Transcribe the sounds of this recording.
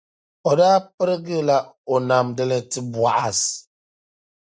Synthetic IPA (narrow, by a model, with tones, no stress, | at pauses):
ɔ˨daː˦pɨ˦ɾə˦ɡi˦˨la˦o˨na˨mdɛ˦lɛ˨ti˦bwa˨ʔa˨s